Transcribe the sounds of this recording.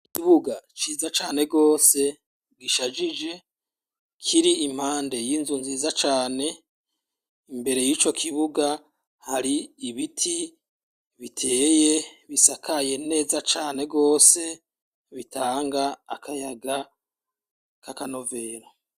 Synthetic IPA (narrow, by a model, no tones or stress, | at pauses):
kiβuɡat͡ʃiːzat͡ʃaːne̞ɡo̞ːse̞ | ɡiʃad͡ʒid͡ʒe̞ | kʰiɾiim̥haːnde̞jiːnzunziːzat͡ʃaːne̞ | imbe̞ɾe̞jiːt͡ʃo̞kʰiβuɡa | haɾiːβitʰi | βitʰe̞ːje̞βisakʰaje̞ne̞ːzat͡ʃaːne̞ɡo̞ːse̞ | βitaːŋɡa̰ːkʰajaɡa | kakano̞ve̞ːɾo